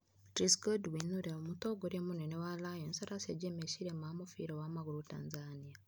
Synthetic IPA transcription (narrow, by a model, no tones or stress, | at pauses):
tɾiskodwinuɾiaβomutoɡoɾemunenewalajensaɾaseɟemeʃiɾemamufḭɾowamaɡuɾutaːnzania